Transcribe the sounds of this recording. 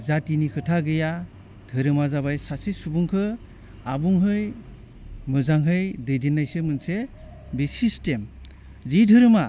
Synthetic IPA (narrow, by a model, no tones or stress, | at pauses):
zatinikʰɯtʰaɡɯja | dʱɯɾɯmazabajsasisubuŋkʰɯ | abuŋɦɯj | mɯzaŋɦɯjdɯjdinːajsɯmɯnse | bisistem | zidʱɯɾɯma